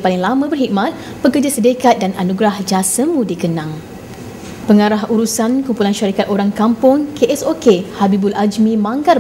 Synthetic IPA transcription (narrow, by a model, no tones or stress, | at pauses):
palɪŋlamə̃bərɦik̚mat̪̚ | bəkərd͡ʒasədekat̪̚dananuɡɾahd͡ʒasəmũdikənãŋ | pəŋaɾaɦuɾusankumpulanʃaɾikat̪̚oɾaŋkampʊŋkeʔɛsokehabibulad͡ʒmĩmãŋkar